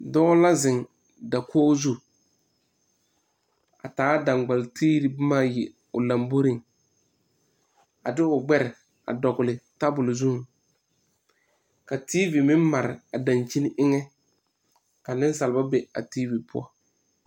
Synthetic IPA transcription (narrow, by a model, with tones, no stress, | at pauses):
dɔː˦la˦zɪ˨ŋ | da˨kʰɔː˦zu˦ | a̰˨taː˨˦da˨ŋɡ͡ba˨ltʰiː˦ɾi˨bmaː˦jɛ˨ | ʊ˨la˨mbo˦ɾi˨ŋ | a˨dɪ˦ʊ˨ɡ͡bɛ˦ɾɪ˨ | a̰˨dɔ˨ɡʊ˨lɪ˨ta˦bʊ˨lɪ˨zu˦˨ | ka˨ti˦vi˨mɪ˦m˦ma˨ɾɪ̰˨a˨da˨nt͡ʃi˦n˦ʔɪ˦ŋɛ˦ | ka˨nɪ˦n˦sa˨lba˦be˨a̰˨tiː˦vi˨pʰʊ̰˦a̰˦˨